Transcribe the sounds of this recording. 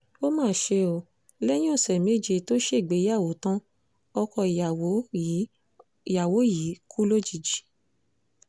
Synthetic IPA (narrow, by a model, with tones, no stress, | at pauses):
o˦mãː˦˨ʃe˧o˨ | lɛ˦jĩ˦õ˦˨sɛ˨me˦˨d͡ʒe˧to˦ʃe˦i˨ɡ͡be˨˦a˦˨wo˨˦tã˦ | ɔ˧kɔ˧i˨˦˨ | ja˨wo˨˦ji˨˦kʰu˦lo˦d͡ʒi˨d͡ʒi˨˦